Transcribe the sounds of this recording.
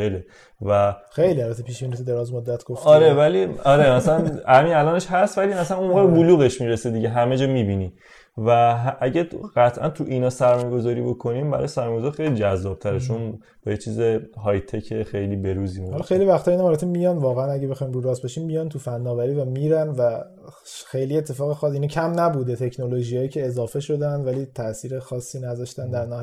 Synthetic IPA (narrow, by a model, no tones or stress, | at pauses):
ele | væxejliælbæt̪ʰːepʰiːʃbiːnit̪ʰud̪eɾɒːzmod̪ːæt̪ʰɡ̥oftɒɾevæliɒɾemæsælænhæminælɒːne̞ʃɦæst̪vælimæsænunmoːɣeebuluːɣeʃmiːɾesed̪iɟeɦæme̞d͡ʒɒːmibini | væɦʔæɟæɢæt̪ʰʔæ̰nt̪ʰuʔinɒːsæɾmɒːjeɡo̞zɒːɾiːbo̞kʰo̞niːmbæ̰ɾɒ̰jesæɾmɔjɡozɒɾxejlid͡ʒæzːɒːb̥̚t̪ʰæɾet͡ʃʰon | b̥ɒːjet͡ʃʰiːzeɦɒjt̪ʰecʰexejliːbe̞ɾuziuhɒlːɒxejlivæxt̪ɒinɒmɒɾæt̪ʰemijɒnvɒːɣeænæɟebe̞xɒːimɾuɾɒːsbeʃimːijɒnt̪ʰufænːɒːvæɾiːvæmiːɾænvæ | xe̞jlie̞t̪ʰːe̞fɒːɣexɒːsinɑcʰæmnæbuːd̪et̪ʰe̞cʰno̞lo̞ʒijɒːjiːcʰeːzɒːfe̞ʃo̞d̪ænd̪væliːt̪ʰæʔsiːɾexɒːsːiːnæzɒʃt̪ænd̪æɾnæ